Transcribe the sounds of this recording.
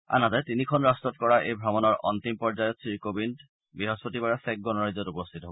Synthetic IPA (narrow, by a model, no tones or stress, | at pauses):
a̰nad̪at̪inikʰɔnɹastɔt̚kɔɹaʔejbʱɹɔmɔnɔɹʔɔnt̪impɔɹzajɔt̪sikobin | biɦɔspot̪ibaɹasɛk̚ɡɔnɔɹaizɔtupost̪ʰit̪ɔɦo